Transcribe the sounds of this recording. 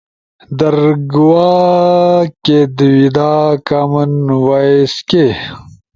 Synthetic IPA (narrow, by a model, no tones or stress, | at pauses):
d̪ɐɾɡwaː | ked̪wid̪aːkamɐnwaeske